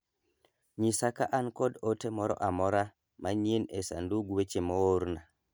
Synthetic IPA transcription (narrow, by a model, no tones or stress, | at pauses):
ɲisakaʔankɔdotemɔɾɔ̰ʔamɔɾa | maɲienesa̰nduɡwet͡ʃemooɾna